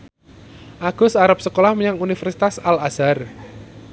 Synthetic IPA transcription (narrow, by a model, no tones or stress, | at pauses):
ʔaɡ̥ʊ̤saɾap̚səkolahməɲaŋunifərsit̪asalasar